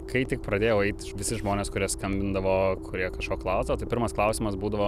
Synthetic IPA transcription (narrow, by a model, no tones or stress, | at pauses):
kɐɪt̪ʲɪk̚pɾɐd̪ʲeːjɛʊɛɪt̪ʲʋʲɪsʲɪʒmoːnʲeːskʊɾʲiɛskɐmʲbʲɪnd̪ɐʋoːkʰʊɾʲiɛkɐʃkoːklˠɑːsoːt̪ɐɪpʲɪɾmɐsklˠɐʊsʲɪmɐsbuːd̪ɐʋoː